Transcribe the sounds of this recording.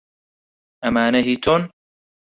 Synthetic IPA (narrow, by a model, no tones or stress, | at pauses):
ɐmaːneɦiːt̪ʰon